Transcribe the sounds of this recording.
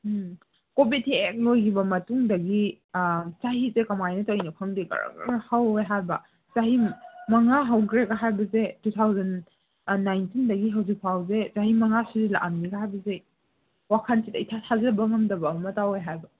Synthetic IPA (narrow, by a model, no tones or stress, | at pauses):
kobidek̚lojkʰibɐmɐtuŋdɐɡi | saɦizekɐmajnɐtowjnɐpʰɐŋdiɡɐ̰ɾɐ̰ɡ̰haweɦajbɐ | t͡ʃaɦimmɐŋaɦɐwɡɾeɡaɦajbɐzetutʰawzɐn | nːajntindɐɡiɦɐwzik̚pʰawzezaɦimɐŋasuzila̰ʔanniɡaɦajbɐze | wakʰɐnsitɐjtʰatʰazɐɐbɐŋɐŋdɐbɐɐmɐtaweɦajbɐ